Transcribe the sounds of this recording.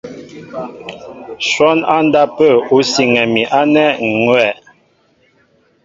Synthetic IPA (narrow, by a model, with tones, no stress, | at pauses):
ʃwɔ˦na˦n˦da˦pə˦˨u˨˦si˨ŋɛ˨mi˨ʔa˦nɛ˦˨ŋwɛ˦˨